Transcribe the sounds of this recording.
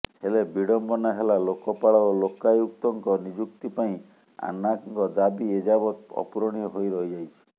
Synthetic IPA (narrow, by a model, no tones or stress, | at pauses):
helebiɽɔmbɔnaɦelalokɔpaɭɔolokajuk̚t̪ɔŋkɔnid͡ʒukt̪ipaĩ | a̰nakŋkɔd̪abied͡ʒabɔt̪ɔ̰pɾɔɽ̃iɔɦojɾɔɦid͡ʒajt͡ʃʰi̥